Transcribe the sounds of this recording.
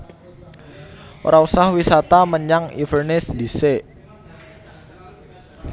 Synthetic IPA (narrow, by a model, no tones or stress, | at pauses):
ʔo̰ɾʔausahwisat̪aməɲaŋḭfərnɪsd̪ise